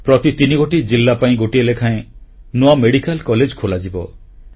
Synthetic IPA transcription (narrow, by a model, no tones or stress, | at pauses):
pɾɔt̪it̪iniɡoʈid͡ʒilːapaĩɡoʈielekʰaẽ | nuameɽikalkɔled͡ʒkʰolad͡ʒibɔ